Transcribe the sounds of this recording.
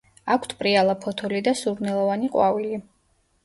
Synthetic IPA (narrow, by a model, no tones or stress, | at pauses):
akʰt̪ʰpʼɾialˠapʰɔt̪ʰɔlid̪asuɾnɛlˠɔvaniqʼwavili